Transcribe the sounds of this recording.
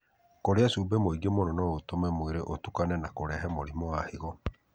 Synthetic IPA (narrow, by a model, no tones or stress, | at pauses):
koɾeasubɛmoiɡiemoɾɔnɔɣotomɛmweɾeʔotukanɛnakoɾɛɦɛmoɾimɔaheɣɔ